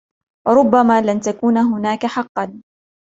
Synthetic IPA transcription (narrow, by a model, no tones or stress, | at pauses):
wɑɾˤʊbːamaːlant̪akuːnaɦʊnaːkaħɑqːɑn